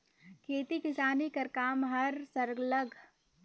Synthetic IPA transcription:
kʰeːt̪ikɪsaːnikɐɾkaːmɦɐɾsɐɾɡləɡʱ

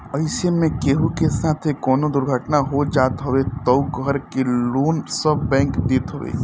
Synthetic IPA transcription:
ɐɪsemẽkeːɦukesaːt̪ʰekɔːnod̪ʊɾɡʱəʈnaɦod͡ʒaːt̪ɦoʋet̪ɐʊɡɡʱəɾkeluːnsɐbːɛ̃ːŋkd̪eːt̪ɦoʋḛː

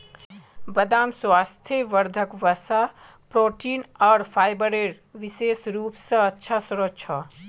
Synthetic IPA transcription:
bəd̪aːmswaːst̪ʰjeʋəɾd̪ʱəkʋəsa | pɾoːʈiːnɔːɾpʰaːjbəɾeɽ | ʋiseːsɾuːpsə̃ːtːʃʰasuɾot͡ʃʰɔ

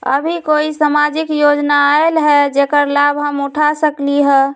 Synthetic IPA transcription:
ə̰bʱikoisamad͡ʒikjod͡ʒnaelɦɛd͡ʒekəɾlabʱɦəmuʈʰasəkliɦɛ

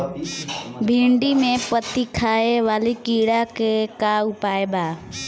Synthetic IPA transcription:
bʱĩːɳɖimẽpət̪ikʰaːeʋaːlikiːɽakekaːʊpaːebʱaː

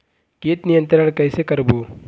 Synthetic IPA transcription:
keːt̪nijə̃nt̪ɾəɳ̃kɐːsekɐɾboː

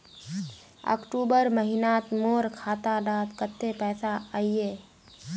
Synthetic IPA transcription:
ɔ̰ːkʈuːbəɾməɦɪnaːt̪moːɾkʰaːt̪aɖaːt̪kət̪ːepɛːsaaieː

